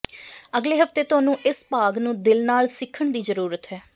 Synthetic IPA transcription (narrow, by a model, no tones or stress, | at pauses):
əɡleːɦəft̪eːt̪ʊɦaːnũːʔɪspaːɡnũːd̪ɪlnaːlsɪkʰːəɳd̪iːzəɾuːɾət̪ɦɛː